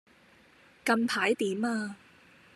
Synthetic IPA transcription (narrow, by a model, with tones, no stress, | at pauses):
kɐ˧mpʰaː˨˥jt̪iː˨˥maː˧